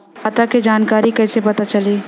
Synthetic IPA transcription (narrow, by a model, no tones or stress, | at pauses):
aːt̪aked͡ʒaːnkaːɾikɛːsepɐt̪at͡ʃɐliː